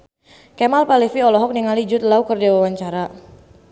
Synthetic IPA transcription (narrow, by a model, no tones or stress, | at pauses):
kɛmalpalifiɔlɔɦɔk̚niŋalid͡ʒʊt̪̚laukərd͡ʒawawaɲt͡ʃaɾa